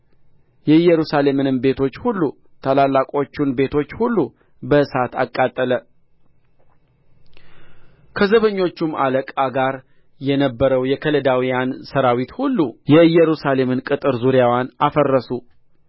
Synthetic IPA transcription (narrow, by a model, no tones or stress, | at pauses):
jɛɨjɛɾusale̞mɨnɨmbe̞t̪ʰo̞t͡ʃːhulːu | t̪ʰalalːakʼo̞t͡ʃːunbe̞t̪ʰo̞t͡ʃːhulːu | bəɨsat̪a̰kʼːat̪ʼːələ | kʰəzəβəɲːo̞t͡ʃːuma̰ləkʼaɡaɾ | jɛnəbːəɾəwjɛkʰələd̪awijansəɾawit̪hulːujɛɨjːɛɾusale̞mɨnkʼɨt̪ʼɨɾzuɾjawjanafərːəsu